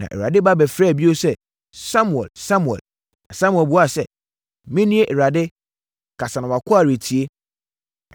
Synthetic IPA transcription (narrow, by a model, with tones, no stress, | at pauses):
nã̰˨ʔɛ˨a̰˨dɪ˦ba˦bɛ˨fɾɛː˦˨bi˦o˦sɛ˦ | sã˦mu˨ɛ̰˨lsã˦mũ˨ɛ̰˨l | a˨sã˦mu˨ɛ˨bu˨˦a˦˨sɛ˨ | mĩ˦nĩ˦e˦ʔɛ˨ɾa˨dɪ˦ | kʰa˨sa˨nã˨wa˨kʰʊ˦a˦˨ɾe˨tʰi˨e˦